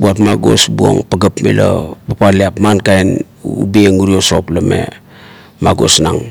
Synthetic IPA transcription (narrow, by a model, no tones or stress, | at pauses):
buatmaɡo̞sbuo̰ŋpaɡapmḭla̰bapaliapmankajn | ubieŋuɾioso̞plame̞̰ | maɡo̞̰snaŋ